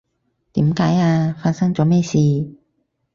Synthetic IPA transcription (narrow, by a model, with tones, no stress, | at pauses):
t̪iː˨˥mkaː˨˥jaː˧faː˧t̚sɐ˥ŋt͡sɔː˨˥mɛː˥siː˧